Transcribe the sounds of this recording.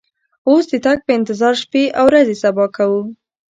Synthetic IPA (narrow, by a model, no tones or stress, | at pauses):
osd̪ət̪aɡ̚pəɪnt̪ɪzɑɾʃpeʔawɾazesabɑkawu